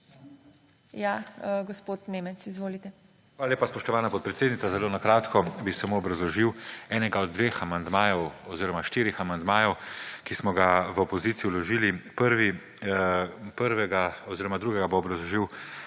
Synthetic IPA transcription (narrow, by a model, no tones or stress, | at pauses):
jaɡospot̪nemɛt̪sizʋoːlit̪ɛ | xʋaːlaleːpaspɔʃt̪ɔʋaːnapɔt̪̚pɾɛt̪seːd̪nit̪sazɛlonakɾaːt̪kʰɔbisɛmoɔbɾazlɔʒiwɛːnɛɡaɔd̪̚ːʋeːxamand̪maːjɔwɔziːɾɔmaʃt̪iːɾixamand̪maːjɔwkismɔɡaʋəopɔziːt̪sijulɔʒiːlipəɾʋi | pəɾʋɛɡaɔziːɾɔmad̪ɾuːɡɛɡaboːbɾazlɔʒiw